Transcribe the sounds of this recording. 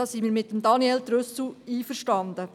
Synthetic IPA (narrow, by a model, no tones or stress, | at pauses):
ɑːsimiːɾmɪtːəmd̪ɑniɛld̪ɾʉsl̩iːfəɾʃtɑnd̪ə